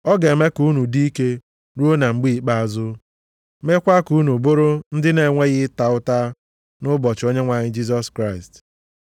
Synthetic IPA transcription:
ɔ˦ɡe˨me˦ku˦nu˨di˦i˦ke˦ | ɾu˦o˦na˨ŋ͡m̩˨ɡ͡bi˦i˦k͡pa˦a˨zʊ˦ | me˦kʷa˦ku˦nu˨bʊ˦ɾʊ˦n̩˦dɪ˦ne˨ŋʷe˦ɣɪ˦ta˨ʊ˦ta˦ | nʊ˦bɔ˨t͡ʃo˦ɲe˦ŋʷa˨ɲɪ˦d͡ʒi˦s̬ɔ˦skɾa˦˨ɪ˨st

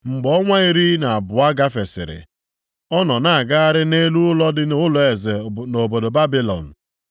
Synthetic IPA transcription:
ŋ͡m̩˨ɡ͡bɔ˦ŋʷa˦i˦˨ɾi˦na˨a˨bʊ˨a˦ɡa˦fe˨sɪ̰˨ɾɪ̰˨ | ɔ˦nɔ˨na˨ɡa˦a˦ɾɪ˦ne˦lu˦ʊ˦lɔ˦dɪ˦n˦ʊ˦lɔ˨e˨ze˨no˨bo˨do˨ba˦bi˦lɔ̰˨n̩˨

